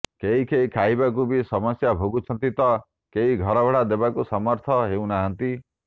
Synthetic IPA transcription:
keɦikeɦikʰaɦibak̬ubisɔmɔsjabʱoɡut͡ʃʰɔnt̪it̪ɔ | keɦiɡʱɔɾɔbʱeɽad̪ebakusɔmɔɾt̪ʰɔɦeũnaɦant̪i

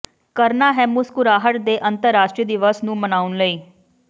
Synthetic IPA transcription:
kəɾnaːɦɛːmʊskʊɾaːɦəʈd̪eːʔənt̪əɾːaːʃʈɾiəd̪ɪʋəsnũːmənaːʊnləiː

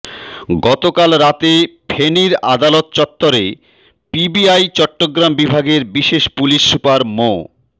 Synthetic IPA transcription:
ɡɔt̪okalɾat̪epʰeniɾad̪alot̪t͡ɕɔt̪ːoɾe | pibiajt͡ɕɔʈːoɡɾambibʱaɡeɾbiʃeʃpuliʃːupaɾmo

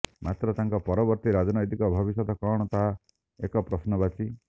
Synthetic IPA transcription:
mat̪ɾɔt̪aŋkɔpɔɾɔbɔɾt̪iɾad͡ʒɔnɔjt̪ikɔbʱɔbisɔd̪ɔkɔɽ̃ɔt̪aɦa | ekɔpɾɔsnɔbat͡ʃʰi

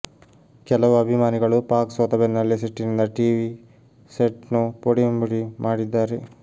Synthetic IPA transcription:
kɛlɐʋuɐbʱimaːniɡɐɭupaːksʋɐt̪ɐbenːɐlːiseʈːinind̪ɐʈiːʋi | seʈnupoɽimbiɽimʔaːɽid̪ːaːɾe

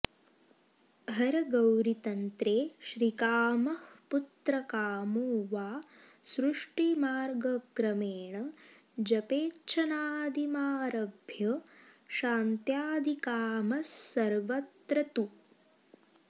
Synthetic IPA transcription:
ɦɐɾɐɡɐwɾit̪ɐnt̪ɾeːʃɾikaːmɐhput̪ɾɐkaːmuːʋaː | sɾuʂʈimaːɾɡɐkɾɐmeːɳɐ | d͡ʒɐpeːt͡ʃʰɐnaːd̪ʱimaːɾɐbʱjɐʃaːnt̪jaːd̪ʱikaːmɐsːɐɾʋɐt̪ɾɐt̪u

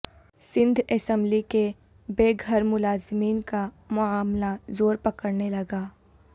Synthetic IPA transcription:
sɪ̃nd̪ʱɛsɛ̃mblike | beːɡʱəɾmʊlaːzmiːnka | mʊaːmlazoːɾpɐkəɾnelɐɡaː

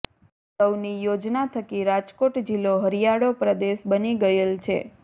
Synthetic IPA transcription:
səwnijod͡ʒnat̪ʰəkiɾad͡ʒkoʈd͡ʒiloɦəɾijaɽopɾəd̪eʃbəniɡəjelt͡ʃʰḛ

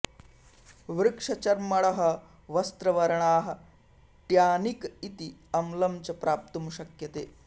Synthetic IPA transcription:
ʋɾɪkʂɐt͡ʃɐɾmɐɭɐɦɐ̆ | ʋɐst̪ɾɐʋɐɾɐɳaːɦɐ̆ | ʈjaːnikit̪iɐmlɐmt͡ʃɐpɾʔaːp̚t̪umʃɐkjɐt̪eː

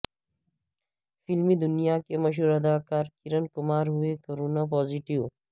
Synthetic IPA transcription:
filmid̪ʊnijaːkemɐʃ̬ɦuːɾɐd̪aːkaːɾkiɾɐnkʊmaːɾɦuekɐɾuːnap̬ɔːziʈiw

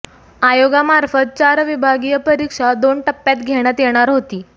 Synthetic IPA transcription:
ajoɡamaɾfət̪̚t͡ɕaɾʋibʱaɡijəpəɾikʂad̪oɳʈəpːjat̪ɡʱeɽ̃jat̪jeɽ̃aɾɦot̪iː

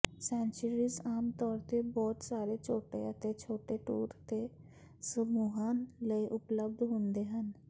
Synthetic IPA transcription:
sɛ̃ːnt͡ʃəɾiːzaːmt̪ɔːɾt̪ebɔːt̪saːɾeːt͡ʃʰoːʈḛət̪et͡ʃʰoːʈeːʈṵːɾt̪eː | səmuːɦaːnləiʔʊpləb̚d̪ɦʊ̃nd̪eːɦən

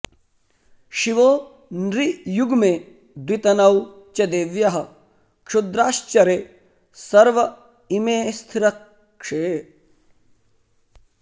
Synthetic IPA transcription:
ʃiʋoː | nɾijuɡmeː | d̪wit̪ɐnɐw | t͡ʃɐd̪eːʋjɐɦɐ̆ | kʂud̪ɾaːʃt͡ʃɐɾeː | sɐɾʋɐ | imeːst̪ʰiɾɐk | ʂeː

